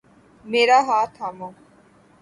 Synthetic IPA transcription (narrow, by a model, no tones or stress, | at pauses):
meːɾaɦaːt̪ʰɦaːmõː